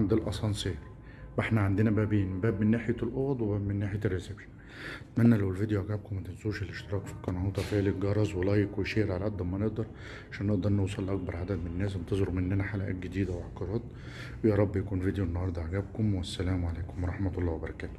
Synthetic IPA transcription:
and̪ɪlʔɑsˤɑnseːɾ | ʔeħnæʕand̪enæbæːbiːnbæːbmenːæːħejælʔoːd̪ˤwebæːbmenːaːħejærːesebʃæ̥n | t̪mænːælæwelvid̪ejoʕaɡæːb̚kʊmːæt̪ensˤuːʃelːeʃt̪eɾˤɑːkfɑ̥kːɑnhuːt̪ˤɑfeʕleɡɑɾˤɑzˤwelɑːjːekweʃeːɾʕalæʔæd̪ːɑmæneʔd̪ɑɾˤ | ʕaʃæːnːeʔd̪ɑɾˤnowsˤɑlːʔɑk̚bɑɾˤʕad̪æd̪menænːæːsent̪ɑzˤeɾumenːænæħalæʔæ̰ːt̪̚ɡed̪iːd̪æwʕɑkːɑɾˤɑːt̪ˤ | wjɑːɾˤɑbːjækuːnved̪ejuʔenːɑhɑɾˤd̪ˤɑʕaɡæːb̚komwæsːælæːmʕalæːkomwɑɾˤɑħmæt̪olˤːɑːwebɑɾˤɑkæːt̪

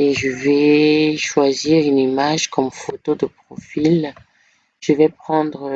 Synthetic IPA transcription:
eʒəvɛʃwaziʁynimaʒkɔmfot̪od̪əpχɔfil | ʒ̥əvɛpχɑ̃d̪ʁə

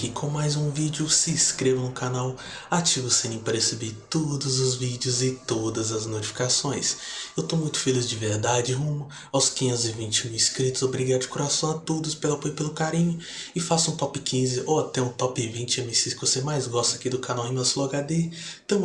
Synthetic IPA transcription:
kɪkʰõmajzũvid͡ʒɪʊsɪːskɾevɐ̃nʊkanaw | at͡ʃivʊsẽĩpɾesebit̪od̪ʊzʊzvid͡ʒɪʊzɪt̪od̪ɐzɐznot͡ʃi̥fi̥kasõj̃sewt̪omũj̃t̪ʊ̥felizd͡ʒɪveɾd̪ad͡ʒɪɦũmɐ | awskĩɲẽnt̪ʊzɪvĩnt͡ʃiũɪskɾit̪ʊzobɾiɡad̪ʊɪkoɾasɐ̃w̃at̪od̪ʊspelapojpelʊkaɾĩɲʊ | ɪfasũt̪ɔpɪkʰĩzɪʔoat̪ɛũt̪ɔpɪvĩt͡ʃɪẽmĩsiskɪvosemajzɡɔst̪ɐkid̪ʊkanawẽmewsloɡad̪et̪ɐ̃w̃

